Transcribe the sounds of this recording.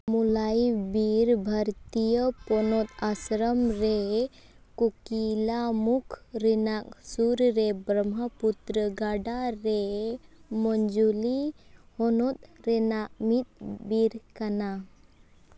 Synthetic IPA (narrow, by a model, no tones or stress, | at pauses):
mulajbiɾbʱəɾt̪ijəpɔnɔt̪asɾəmɾe | kukilamukʰɾɛnak̚suɾɾebɾəmaput̪ɾəɡaɖaɾe | mɔnd͡ʒulihɔnɔt̪̚ɾɛnaʔmit̪̚biɾkana